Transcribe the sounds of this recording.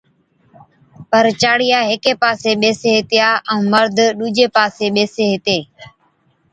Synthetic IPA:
pəɾt͡ʃaːɽɪjaːɦɪkeːpaːseːɓeːseːɦɪt̪ɪjaːʔə̃ːməɾd̪ʱɗuːd͡ʒeːpaːseːɓeːseːɦɪt̪eː

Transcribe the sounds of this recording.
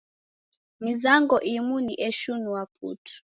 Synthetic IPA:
mizaŋɡɔʔimuniʔɛʃunuwap̚ʰṵtʰu̥

